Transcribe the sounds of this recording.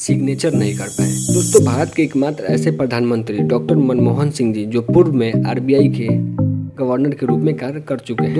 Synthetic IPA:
sɪɡneːt͡ʃəɾnɐɦĩkɐɾpa̰ːḛd̪oːst̪õbʱaːɾət̪keːkmaːt̪ɾɛ̰ːsepɾɐd̪ʱaːnmə̃nt̪ɾiɖɔːk̚ʈəɾmənmoːɦənsɪ̃ŋɡd͡ʒiːd͡ʒoːpʊɾʋmẽa̰ːɾbijaːikeɡɐʋəɾnəɾkeɾuːpmẽkaːɾkɐɾt͡ʃʊkeɦɛ

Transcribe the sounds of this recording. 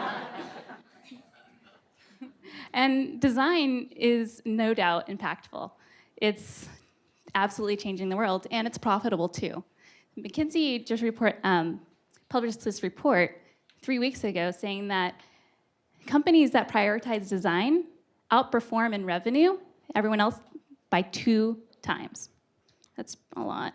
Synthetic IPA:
ʔɨ̃ndɨzãɪ̃nɪznoʊdaʊɾɨ̰̃mpʰæ̰k̚tfl̩ˠ | ʔɪts | æb̥səlutˡlit͡ʃʰẽɪ̃nd͡ʒɪ̃ŋðəwɜ˞lˠdɨ̃ñɨtspʰɹ̥ɑfɨɾəbl̩ˠtʰʉ̰ | mɨkʰɪ̃nzid͡ʒʌsɹɨpʰɔɹt̚ʌ̃ | pʰʌblɨɪsɹɨpʰɔɹt̚ | θɹiwiksɨɡoʊseɪɪ̃ŋðɨt̚ | kʰʌ̃mpɨɾ̃izðɨt̚pʰɹ̥aɪɔɹɨtʰaɪzdɨzãɪ̃n | ʔaʊt̚pʰə˞fɔɹmɨ̃nɹɛvɨ̃njʉ | ɛvɹiwʌ̃ñɛlˠsb̥aɪtʰʉtʰã̰ɪ̃mz̥ | ðætsʔə̰lɔ̰t̚

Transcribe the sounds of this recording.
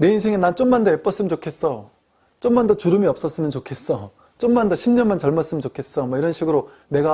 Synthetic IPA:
ne̞insʰeŋenant͡ɕ͈omandʌep͈ʌs͈ɯmint͡ɕokʰe̞s͈ʌ | t͡ɕ͈omːandʌt͡ɕuɾɯmiʌp̚s͈ʌs͈ɯmjʌnt͡ɕokʰe̞s͈ʌ | t͡ɕ͈omːandʌɕʰimɲʌnmant͡ɕʌɭmas͈ɯmit͡ɕokʰe̞s͈ʌmwʌiɾʌnɕʰiɡɯɾo | ne̞ɡa

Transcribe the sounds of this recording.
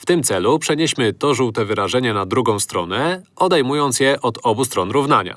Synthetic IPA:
ft̪ɘmt̪sɛlupʂɛɲeɕmɘt̪ɔʐuwt̪ɛvɘɾaʐɛɲɛnad̪ɾuɡɔ̃w̃st̪ɾɔ̰nɛ | ɔd̪ɛjmujɔnt̪sjɛʔɔd̪ɔbust̪ɾɔnɾuvnaɲa̰

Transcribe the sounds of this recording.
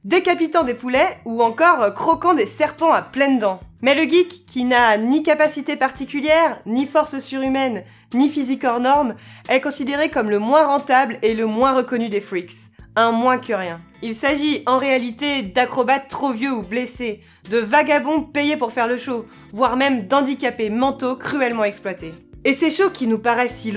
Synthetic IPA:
d̪ekapit̪ɑ̃d̪epulɛuɑ̃kɔʁkχɔkɑ̃d̪esɛʁpɑ̃aplɛnd̪ɑ̃mɛləɡʲikʰʲːinanikapasit̪epaʁt̪ikʲyljɛʁnifɔʁsəsyʁymɛnː | ifizikɔʁnɔʁmɛkɔ̃sid̪eʁekɔmləmwɛ̃ʁɑ̃t̪ableləmwɛ̃ʁəkɔnyd̪efχiksɛ̃mwɛ̃kəʁjɛ̃ | ilsaʒiɑ̃ʁealit̪ed̪akχɔbat̪ːχovjøublese | d̪əvaɡabɔ̃pejepuʁfɛʁləʃo | vwaʁmɛmd̪ɑ̃d̪ikapemɑ̃t̪okχyɛlmɑ̃ɛksplwat̪eeseʃokʲʰinupaʁɛsil

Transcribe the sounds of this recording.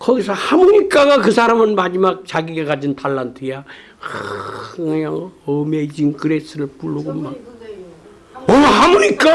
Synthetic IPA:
kʌɡisʰʌhamuɲik͈aɡakɯsʰaɾamɯnmad͡ʑimak̚t͡ɕaɡiɡakad͡ʑintʰaɭːantʰɯja | jaŋʌmed͡ʑinkɯɾes͈ʰɯɾɯɭpuɭːoɡomːa | ohamuɲik͈a

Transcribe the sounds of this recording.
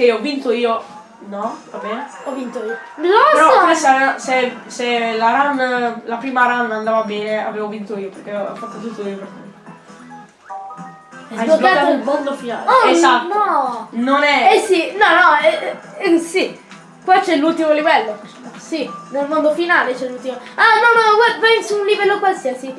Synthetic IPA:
k̟eiɔvːint̪oiːo | nɔvabɛːne | ɔvːint̪oiːolɔeɾɔasseselaɾanːlapɾiːmaɾanːand̪aːvabɛːnea̰veːvovint̪oiːoperk̟eɔ̰fːat̪ːot̪ut̪ːoima | ajoak̪ːat̪oilmond̪ofina̰ːlaesanɔnonɛɛsinɔnɔɛ | si | kwat͡ʃːɛlult̪imolivɛlːo | sinelmond̪ofinaːlet͡ʃɛlːult̪imoanɔnɔkwavasunlivɛlːokwalsiasi

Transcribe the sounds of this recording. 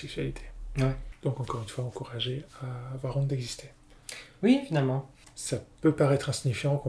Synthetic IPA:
ɛk̚sɥalit̪ʰe̥ɛd̪̥ɔ̃kɑ̃kɔʁynfwaɑ̃kuʁaʒeavwaʁɔ̃d̪ɛɡzist̪ʰe | wievinalmɑ̃ | sapøpaʁɛt̪χɛ̃siɲifjɑ̃kɔ̃

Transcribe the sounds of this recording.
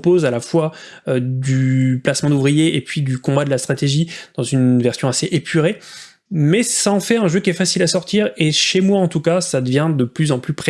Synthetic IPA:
pozalafwa | ød̪yplasmɑ̃d̪uvʁijeepɥid̪ykɔ̃bad̪əlast̪χat̪eʒid̪̥ɑ̃zynvɛʁsjɔ̃aseʔepʰyʁe | mɛsaɑ̃fɛʁɛ̃ʒøkʲiɛfasilasɔʁt̪iʁeʃemwaɑ̃t̪ukasad̪əvjɛ̃d̪əplyzɑ̃plypχe

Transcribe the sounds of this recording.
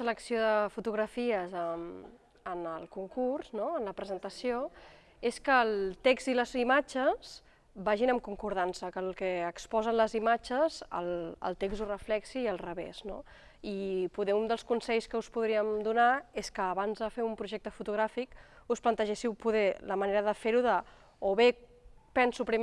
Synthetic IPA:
sələksioðəfut̪uɣɾəfiəzəm | ənəlˠkuŋkurznoənləpɾəzənt̪əsio | eskəːlˠt̪ekz̥t̪iləzimad͡ʒəz̥ | baʒinəmkuŋkuɾð̞ansəkəlˠkɛːkspɔzənləzimat͡ʃəzə̰lˠə̰lˠt̪ekzurəflɛksiːəlˠrəβḛz̥no̰ | ipuðɛund̪əlˠskunsɛʎskəuspuðɾiəmd̪unaeskəːβanzðəfeumpɾuʒɛk̚t̪əfut̪uɣɾafikusplənt̪əʒesiwpuðɛləməneɾəðəfeɾuðə | oβepɛnsupɾim

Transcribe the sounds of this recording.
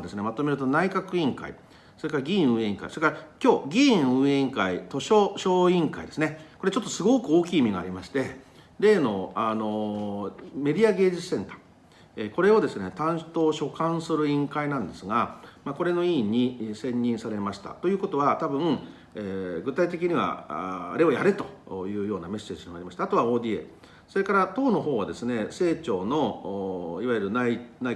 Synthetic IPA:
d̪e̞sɨne̞mat̪ome̞ɾɯ̟t̪o̞naikakɯ̟ĩŋka̰ḭ | so̞ɾe̞kaɾaɡʲĩɯ̟̃ːẽĩŋka̰ḭsoɾekaɾakʲo̞ːɡʲĩɯ̟ẽŋkait̪o̞ɕo̞ːɕo̞ːĩŋkaḭd̪e̞sɨne̞ko̞ɾe̞t͡ɕo̞t̪ːo̞sɨɡo̞kɯo̞ːkʲiːmʲiɡa̰ːɾʲimaɕi̥t̪e̞ | ɾe̞ːno̞ano̞ | me̞dʲiaɡe̞ːd͡ʑi̥sẽ̞nt̪ḁ | eko̞ɾe̞o̞d̪e̞sɨnet̪ãɰ̃t̪o̞ːɕo̞kãɰ̃sɨɾɯ̟ĩŋkainãnd̪e̞sɨɡamako̞ɾe̞no̞iːɲ̟isẽ̞ɲ̟ːĩɰ̃saɾe̞maɕi̥t̪a̰t̪o̞jɯ̟ːko̞t̪o̞βat̪abɯ̟̃ŋ | eɡɯ̟t̪ait̪̬e̞k̬ʲiɲ̟iβa̰ɾe̞ojaɾet̪o̞̥jɯ̟ːjo̞ːname̞se̞ːʑimonaɾʲimaɕi̥t̪aːt̪o̞βao̞ːd̪ʲie | so̞ɾe̞kaɾat̪o̞ːno̞ɦo̞ːɡad̪e̞sɨne̞se̞ːt͡ɕo̞ːno̞ | iβajɯɾɯ̟nainai

